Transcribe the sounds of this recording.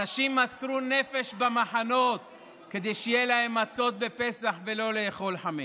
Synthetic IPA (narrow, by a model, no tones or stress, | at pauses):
aʃimːasʁune̞fe̞ʃbamaħano̞t̪ | ked̪ejʃejelahe̞mːat͡so̞t̪̚bepe̞saχve̞lo̞leːχo̞lħame